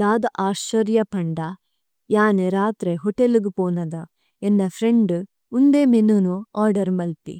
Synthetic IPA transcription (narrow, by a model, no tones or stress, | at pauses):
d̪aːd̪ɐʔaːʃʋɐɾjɐpɐɳɖɐ | jaːneɾaːt̪ɾeɦɔʈeluɡupoːnɐd̪ɐ | enːɐfʰɾeɳɖu | und̪eːmenunuaːɾɖɐɾmɐlt̪ḭ